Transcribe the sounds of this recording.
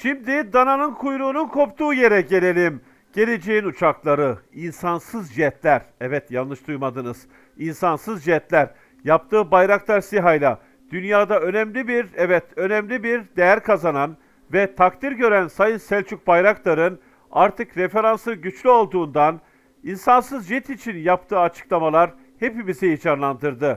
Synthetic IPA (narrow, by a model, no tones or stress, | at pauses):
ʃimd̪id̪ananɯnkʰujɾuːnunkʰo̞pt̪ʰuːje̞ɾɛɟe̞lʲe̞lʲim | ɟ̥e̞lʲed͡ʒeinut͡ʃʰaklˠaɾɯinsansɯzd͡ʒiɛt̪lʲæɾɛvɛt̪janlːˠɯʃd̪ujmad̪ɯnɯz̥ | insansɯzd͡ʒiɛt̪lʲæɾ | jap̚t̪ʰɯːbajɾaklˠaɾsiɦajlʲˠa | d̪̥ynjaːd̪aø̞nɛmlʲibiɾɛvɛt̪ø̞nɛmlʲibiɾd̪ejæɾkʰazanan | vɛt̪ʰakt̪ʰiɾɟø̞ɾænsajɯnsælʲt͡ʃʰyc̚bajɾaklˠaɾɯn | aɾt̪ʰɯkɾe̞fe̞ɾansɯɟyt͡ʃlʲyo̞lˠd̪uːnd̪an | insansɯzd͡ʒɛt̪ʰit͡ʃʰinjapt̪ʰɯːat͡ʃʰɯ̥klˠamalˠaɾ | he̞pimizijid͡ʒʰaɾlˠand̪ɯɾd̪ɯ